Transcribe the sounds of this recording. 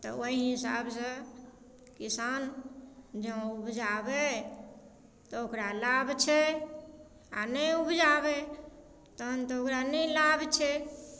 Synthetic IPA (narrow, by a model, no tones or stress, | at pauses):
t̪ɔ̰oiɦisa̰bsə̃ | kisan | d͡ʒə̃ubd͡ʒabɛ | t̪ɔokɾalabʱt͡ʃʰɛ | a̰nəjubd͡ʒabɛ | t̪ɔɦənt̪ɔokɾanəlabʱt͡ʃʰɛ